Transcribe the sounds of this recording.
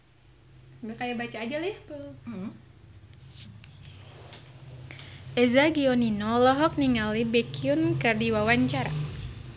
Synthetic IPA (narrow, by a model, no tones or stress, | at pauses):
bakajabat͡ʃaːd͡ʒalɛhpəl | ʔɛzaɡiɔninɔlɔɦɔk̚niŋalibɛkiunkardiwawaɲt͡ʃaɾa